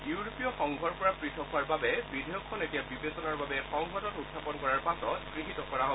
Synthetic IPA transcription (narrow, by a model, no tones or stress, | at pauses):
juwɹopijɔxɔŋɡʱɔɹpɔɹapɹitʰɔkɦʊaɹbabɛbidʱejɔkʰːɔnetijabibezɔnaɹbabɛxɔŋɡʱɔtɔtutʰːapɔnkɔɹaɹpatɔkɹiɦitɔkɔɹaɦɔ